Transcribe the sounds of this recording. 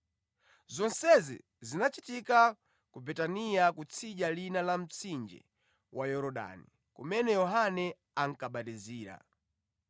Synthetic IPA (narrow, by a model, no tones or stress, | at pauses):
zɔnsɛzḭ | zinat͡ʃitika | kubɛtanijakut͡sʰiʄalinalam̩t͡sʰind͡ʒɛ̰ | wʔajɔɾɔɗa̰ni | kumɛnɛjɔɦanɛ | aŋ̩kaɓatiziːɾa̰